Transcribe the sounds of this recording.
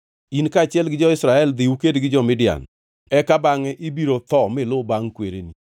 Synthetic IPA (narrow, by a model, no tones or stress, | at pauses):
inkaːt͡ʃjɛlɡɪd͡ʒɔɪsɾaɛld̪ɪwukedɡɪd͡ʒɔmɪdɪa̰n | ɛkabaŋɛʔɪbiɾot̪ɔmɪlʊbaŋkweɾḛni